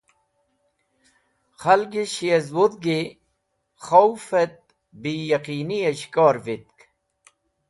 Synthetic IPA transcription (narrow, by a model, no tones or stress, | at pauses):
χɐlɡiɕiɐzwod̪̚ɡe | χowfet̪̚ | bijɐqiːniɐɕkaːɾvit̪̚k